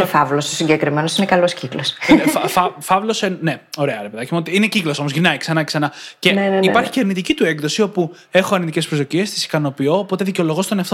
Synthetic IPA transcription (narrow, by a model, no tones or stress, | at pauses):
fɐvlososiɲɟekɾimenosinekɐlo̞sciklosfɐfɐfɐvlo̞senne̞o̞ɾe̞ɐɾepeðɐcimot̪iineciklo̞so̞mozʝɾinɐiksɐnɐce̥sɐnɐce̞nipɐɾçi̥ceɐɾnit̪icit̪ueɡðo̞sio̞pu | e̞xoɐɾnind̪icʲespɾozðo̞ciest̪i̥si̥kɐno̞pio̞ːpo̞t̪e̞ðiceolo̞ɣo̞st̪o̞neɐft̪